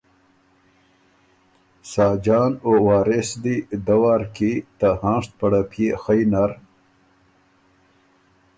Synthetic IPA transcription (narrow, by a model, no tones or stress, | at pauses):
sɑːd͡ʒɑːnowɑːɾesd̪id̪ɐwaːɾkit̪ahɑ̃ːʂt̪̚pɐɽapʰjexəjnaɾ